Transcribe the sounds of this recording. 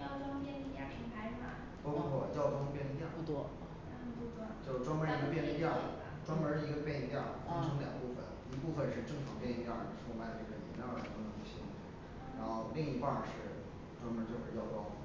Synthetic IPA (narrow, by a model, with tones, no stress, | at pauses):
jɑ˥˩ʊʈ͡ʂwŋjɛ˥˧ni˧˩ja˥˩ʈ͡ʂʰi˧˥ŋkʰa˥ɪ˧˩ma̰˧˩ | t̪ɔ˥pu˥˩pʰwɔ˥˩˧jɑ˥˩ʊʈ͡ʂɑ˥ŋpjɛ˥˩nə˧˥jɑ˥˧˩t̪wɔ˥˧˥t͡ɕjo˥˧ʊʈ͡ʂwɑ˥ŋmə˧˥a˥˩nə˧˥pjɛ˥˩nə˧˥jɑ˥˩˨ʈ͡ʂwɑ˥ŋmə˧˥ʂ̩˥˧˩i˧˥ɡə˧pjɛ˥˧ɛ˥˧t̪jɑ˥˩fɑ˥ʈ͡ʂʰɤ˧˥ŋljɑ̰˨˩ŋpu˥˩fə̰˨˩n | i˧˥pu˥˧fə˧nʂɻ̩˥˧ʈ͡ʂɤ˥˩ŋʈ͡ʂʰɑ˨˥ŋpjɛ˥˧n˧i˧ŋt̪jɑ˥˩ʂma˧˥d̪ə˧ʈ͡ʂə˥˩ə˨˩ɛ̰˧˥njɑ̰˥˨˩t̪nə˧˥nu˥˩ɕi˥˩˥ | ɻa˧˥nxo˥˧ʊli˥˧ŋi˧˥kwa˥˧˩ʂɻ̩˥˩ | ʈ͡ʂwɑ˥ŋmə˧˥t͡ɕjo˥˧ʊʂə˥˧˩jɑ˥˧ʊʈ͡ʂwɑ˥ŋ